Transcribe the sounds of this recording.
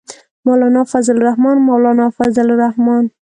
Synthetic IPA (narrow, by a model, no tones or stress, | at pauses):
mawlɑnɑfazɪlɾahmɑnmawlɑnɑfazɪlɾahmɑn